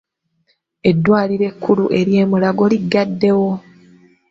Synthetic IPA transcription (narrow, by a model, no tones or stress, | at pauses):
e̞dːwaːliɾe̞kːuluʔe̞ɾje̞ːmulaɡo̞liɡːadːe̞wo̞